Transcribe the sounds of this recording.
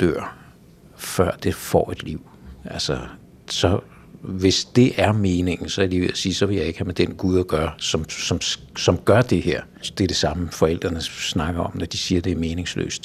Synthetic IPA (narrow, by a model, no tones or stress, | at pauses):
d̥øɐ̰ | fɶɐ̰d̥e̝fɒ̰ːe̝d̥liʊ̰ʔælsɒ | sɒ̽ | ʋe̝sd̥e̝ʔæɐme̝ːne̝ŋ̰n̩sɒ̽æɐliːʋeæsiːsɒ̽ʋe̝jɑ̈ɪe̝ɡ̥hæmed̥enɡ̥uð̞ˠæɡ̥ɶːɐsɒ̽msɒ̽m | sɒ̽mɡ̥ɶɐd̥e̝heɐ̰ | d̥eæɐd̥e̝sɑ̈məfɒ̽el̰d̥ʁɐnəsnɑ̈ɡ̥ɐɒ̽mnɒd̥isiːɐd̥e̝æɐme̝ːne̝ŋslø̰ːsd̥